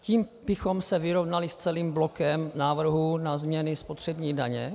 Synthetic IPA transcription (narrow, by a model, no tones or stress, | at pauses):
ciːmb̥ɪxo̞msɛvɪɾovnalɪst͡sɛliːmblokɛmnaːvr̩ɦunazmɲɛnɪspo̞t̪r̝̥ɛbɲiːda̰ɲɛ̰